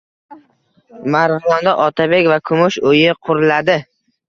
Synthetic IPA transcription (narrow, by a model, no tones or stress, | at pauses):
maɾʁlɒnd̪aʔɒt̪ʰabe̞kʲvakʰʊmʊʃojɪqʰʊɾlad̪ɪ